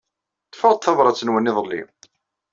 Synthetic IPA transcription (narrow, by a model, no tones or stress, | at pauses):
θə̥fəʁd̪t̪θɑvˤɾˤɑt͡sːənwənːɪðˤəlːḭ